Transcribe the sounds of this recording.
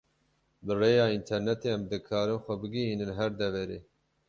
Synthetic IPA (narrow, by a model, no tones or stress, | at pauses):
bɨreːjɑːint̪ʰɛɾnɛt̪eːɛmd̪ɨkʰɑːɾɨnxʷɛbɨɡiɦiːnɨnɦɛɾd̪ɛvɛɾeː